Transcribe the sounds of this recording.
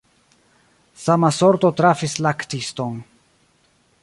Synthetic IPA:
samasoɾt̪ot̪ɾafislakt̪iston

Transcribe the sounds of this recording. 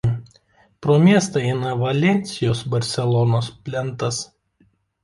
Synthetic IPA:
pɾoːmʲiɛst̪ɐɛɪnɐʋɐlʲɛnʲsʲɪjoːsbɐɾʲsʲɛlˠɔnoːspʲlʲɛnt̪ɐs

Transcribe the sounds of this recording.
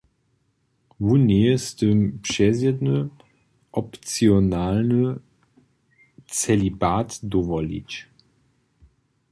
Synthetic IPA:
vuneəst̪əmpʃɛzɛdnə | ʔɔpt͡siɔnaːlnə | t͡sɛlibaːtd̪ɔvɔlḭt͡ʃ

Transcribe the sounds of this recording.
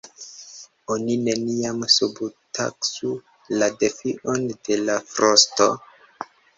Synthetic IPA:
onine̞niamsubuta̰ksu | lade̞fiʔond̥e̞lafɾosto̞

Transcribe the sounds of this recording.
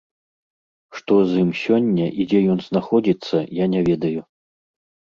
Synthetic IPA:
ʂt̪ɔzimsʲɔnʲːɐʔid͡zʲɛjɔnznaxɔd͡zʲit̪sːɐjanʲɛvʲɛd̪ɐju

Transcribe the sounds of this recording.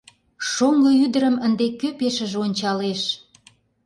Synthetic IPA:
ʃoŋɡɤyd̪əɾəmənd̪ekøpeʃə̆ʒeonʲt͡ɕɑleʃ

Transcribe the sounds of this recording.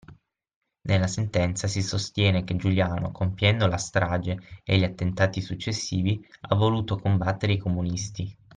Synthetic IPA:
nelːasent̪ɛnt̪sasisost̪jɛːnek̟ed͡ʒuljaːno̰kʰompjɛnd̪olast̪ɾaːd͡ʒeeʎiat̪ːent̪aːt̪isut͡ʃːesːiːvia̰vːoluːt̪okombat̪ːeɾeikomunist̪i

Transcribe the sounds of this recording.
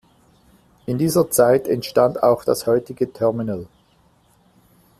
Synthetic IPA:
ʔɪndiːzɐt͡saɪtɛntʃtanta̰ʊxd̥ashɔʏtɪɡətʰɛɐmɪnəl

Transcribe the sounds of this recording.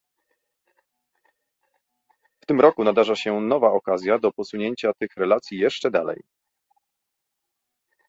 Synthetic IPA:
ft̪ɘmɾɔkunad̪aʐaɕɛnɔvaɔkazʲjad̪ɔpɔsuɲeɲt͡ɕat̪ɘxɾɛlat̪sʲjijɛʂt͡ʂɛd̪alɛ̰j

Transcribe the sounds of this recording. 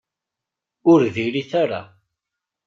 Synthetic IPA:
ʊɾðiliθaɾa̰

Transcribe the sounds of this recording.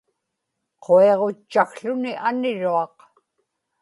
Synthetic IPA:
qʰoe̞ʁot͡ʃːaxɬʊniʔanɪɻuɑq

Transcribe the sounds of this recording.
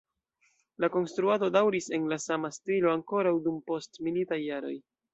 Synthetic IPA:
lako̞nstɾuado̞dawɾise̞nlasamastilo̞aŋko̞ɾawdumpo̞stmilitajːaɾo̞̰j

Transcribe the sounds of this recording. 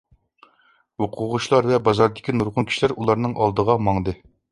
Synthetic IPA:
woqʰʊʁʊʃlˠɑɾvɛbɑzɑɾd̪ɪkʲinuɾʁʊnkʲʰi̥ʃlæɾulˠɑɾnɨŋʔɑlˠd̪əʁɑmɑŋd̪ɨ

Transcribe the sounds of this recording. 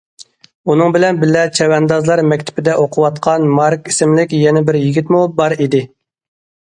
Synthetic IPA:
unɨŋbɪlɛnbɪlːɛt͡ʃʰɛwɛnd̪ɑzlˠɑɾmɛkʲt̪ʰɪ̥pɪd̪ɛʔoqʰʊwɑt̪qʰɑnmɑɾkisɪmlɪkʲjɛnɛbɪɾjiɡʲit̪mubɑɾid̪ɪ

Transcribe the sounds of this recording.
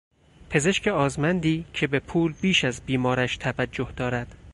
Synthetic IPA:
pʰe̞ze̞ʃce̞ɒːzmænd̪iːcʰe̞be̞pʰuːlbiːʃæzbiːmɒːɾæʃt̪ʰævæd͡ʒːohd̪ɒːɾæd̪̥

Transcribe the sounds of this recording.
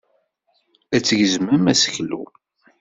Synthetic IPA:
æt͡sːəʝəzmæmæsəçlṵ

